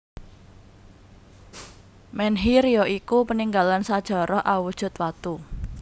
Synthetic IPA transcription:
mɛnɦiɾijɔikupəniŋɡalansad̥ʒ̥ɔ̤ɾɔhʔawud̥ʒ̥ʊ̤t̪wat̪u

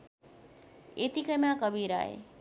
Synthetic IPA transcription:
et̪ikəmãkəbʱiːɾa̰ːḛ

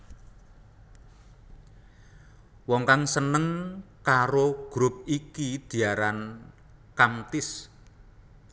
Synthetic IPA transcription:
wɔŋkaŋsənəŋkaɾoɡ̥ɾʊp̚ikid̪̥i̤aɾan | kamt̪ɪs

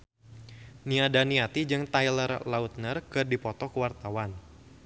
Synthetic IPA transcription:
niadaniat̪id͡ʒɨŋt̪ajlərlaut̪̚nərkɨrdipɔt̪ɔkəwart̪awan

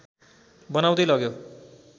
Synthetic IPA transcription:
bʌnawd̪ʌjlʌɡjo

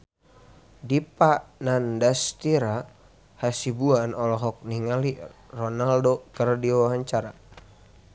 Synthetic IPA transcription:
dipanandast̪iɾa | hasibuanɔlɔɦɔk̚niŋalirɔnaldokərdiwaɦaɲt͡ʃaɾa

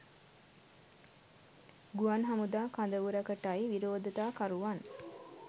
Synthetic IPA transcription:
ɡuanɦamud̪aːkand̪əʋuɾɐkəʈaiʋiɾoːd̪ət̪aːkaɾuʋan

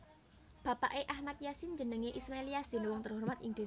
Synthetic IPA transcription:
b̥ä̤pa̰ʔeʔahmat̪̚jasind͡ʒənəŋeʔismaeliasd̪̥i̤nwɔŋt̪ərɦurmat̪ɪŋd̥̪o

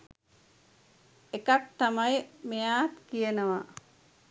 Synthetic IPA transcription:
ekak̚t̪amajmejaːt̪kijənəʋa

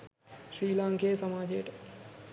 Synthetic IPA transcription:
ʃɾiːlãːŋkeːsɐmaːd͡ʒeːʈ

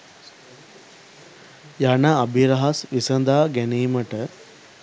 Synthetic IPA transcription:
janaːbʱiɾɐɦɐsʋisɐnd̪aːɡæniːməʈə

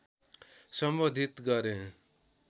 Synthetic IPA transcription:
sʌmbod̪ʱit̪ɡʌɾẽ

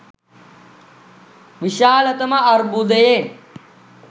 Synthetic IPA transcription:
ʋiʃaːlɐt̪ɐmɐɐɾbud̪eje

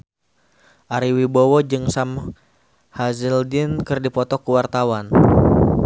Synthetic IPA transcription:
ʔaɾiwibowɔd͡ʒɨŋsam | hazəldɪnkɨrdipɔt̪ɔkuwart̪awan

